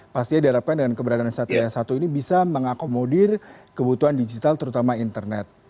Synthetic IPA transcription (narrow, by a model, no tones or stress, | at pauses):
past̪iadiɦaɾap̚kandəŋankəbəɾadaansat̪uɾejasat̪uinibisaməŋakomodɪrkəbut̪uandid͡ʒit̪alt̪əɾut̪amaint̪ərnɛt̪̚